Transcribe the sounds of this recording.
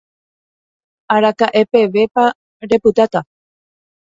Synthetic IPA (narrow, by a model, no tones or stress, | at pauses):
aɾakaʔe̞pe̞ʋe̞pa | ɾe̞pɨt̪at̪a